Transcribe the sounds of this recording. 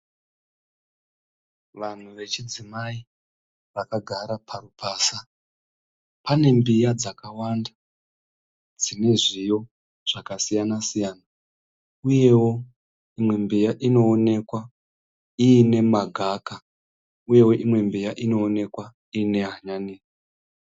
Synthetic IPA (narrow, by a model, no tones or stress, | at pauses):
ʋan̤uʋe̞t͡ʃid͡zimai | ʋakaɡʱaɾapʰaɾupʰaːsa | pane̞mbijad͡zakawanda | d͡zine̞ʐijo̞ | ʐ̥akasijanasijaːna | uje̞wo̞ | imwe̞mbijaʔino̞ːne̞kwa | iːne̞maɡʱaka | uje̞wo̞ʔimwe̞mbijaʔino̞ːne̞kwa | iːne̞ɦaɲaniːi